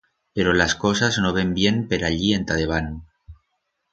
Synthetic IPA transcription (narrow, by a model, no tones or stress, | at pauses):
pe̞ɾolasko̞saznoβe̞mbje̞mpe̞ɾaʎie̞nt̪aðe̞β̞anu